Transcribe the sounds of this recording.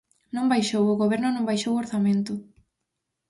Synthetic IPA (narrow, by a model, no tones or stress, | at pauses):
nõmbajʃowoɣoβ̞ɛɾnʊnõmbajʃowoɾθamẽnt̪ʊ